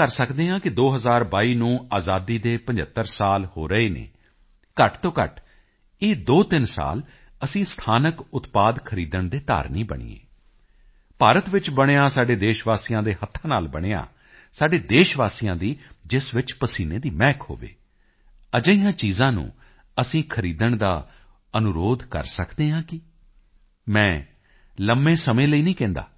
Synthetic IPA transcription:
əɾsəkd̪eːãːkɪd̪oːɦəzaːɾbaːiːnũːaːzaːd̪iːd̪eːpə̃ɲd͡ʒət̪ːəɾsaːlhoːɾəeːnḛː | kəʈt̪õːkə̰ʈ | eːd̪oːt̪ɪnsa̰ːl | əsĩːst̪ʰaːnəkʊt̪paːd̪kʰəɾiːd̪əɳd̪eːt̪a̰ːɾnĩːbə̰ɳ̃ḭːḛː | paːɾət̪ʋɪt͡ʃbəɽ̃eːaːsaːɖeːd̪eːʃʋaːsiːjãːd̪eːhət̪ʰːãːnaːlbəɽ̃eːa̰ː | saːɖeːd̪eːʃʋaːsijãːd̪iːd͡ʒɪsʋɪt͡ʃpəsiːneːd̪iːmɛːkho̰ːʋḛː | əd͡ʒəijãːt͡ʃiːzãːnṵ̃ː | əsĩːkʰəɾiːd̪əɳd̪a̰ː | ənʊɾoːd̪kə̰ɾsəkd̪eːɦãːkɪ | mɛ̃ː | ləmːẽːsəmẽːləiːnĩːkɛ̃ːnd̪a̰ː

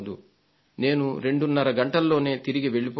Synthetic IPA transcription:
d̪u | ne̞ːnuɾe̞ɳɖunːɐɾɐɡɐɳʈɐlːo̞ːne̞ːt̪iɾiɡiʋe̞ɭip

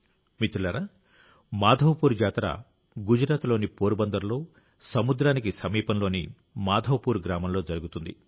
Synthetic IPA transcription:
mit̪ulɐɾa | maːd̪ʱɐʋɐpuːɾd͡ʒaːt̪ɾa̰ː | ɡud͡ʒuɾaːt̪lo̞ːnipoːɾubɐnd̪ɐɾlo̞ː | sɐmud̪ɾaːnikisɐmiːpɐnlo̞ːnḭ | maːd̪ʱɐwɐpuːɾɡɾaːmɐmlo̞ːd͡ʒɐɾuɡut̪und̪ḭ

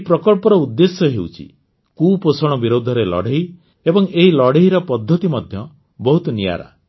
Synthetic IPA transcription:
pɾɔkɔlpɔɾɔud̪ːesɔɦewt͡ʃʰḭ | kuposɔɽ̃ɔbiɾod̪ʱɔɾelɔ̰ɽ̤ʱeɦi | ebɔŋeɦilɔɽeɦiɾɔpɔd̪ʱːɔt̪imɔd̪ʱjɔ | bɔɦut̪ɔnija̰ɾa̰

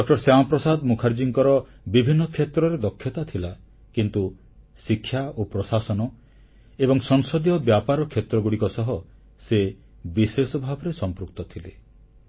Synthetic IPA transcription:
ɖɔk̚ʈɔɾsamɔpɾɔsad̪mukʰaɾd͡ʒiŋkɔɾɔ | bibʱinːɔkʰet̪ɾɔɾed̪ɔkʰːjɔt̪at̪ʰila | kint̪u | sikʰːjaopɾɔsasɔnɔ | ebɔŋsɔŋsɔd̪iɔbjapaɾɔkʰet̪ɾɔɡuɽikɔsɔɦɔ | se | bisesɔbʱabɔɾesɔmpɾukt̪ɔt̪ʰile

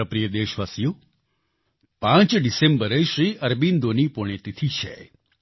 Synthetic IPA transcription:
əpɾijəd̪eʃʋasijo | pãt͡ʃɖisembəɾeʃɾiəɾbind̪onipoɽ̃et̪it̪ʰiʃʰḛ

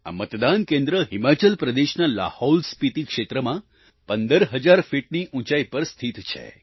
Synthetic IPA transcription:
a̰mət̪d̪ankẽnd̪ɾəɦimat͡ʃəlpɾəd̪eʃnala̰holspit̪ikʃet̪ɾəmã | pənd̪əɾɦəd͡ʒaɾfiʈ̚niʔũt͡ʃaipəɾst̪ʰit̪t͡ʃʰḛ

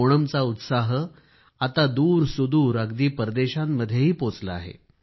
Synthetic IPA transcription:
oɽəmt͡saut̪saɦə | at̪ad̪uːɾsud̪uːɾaɡd̪iːpəɾd̪eɕamːəd̪ʱːjeɦiːpot͡slaa̰ɦḛ

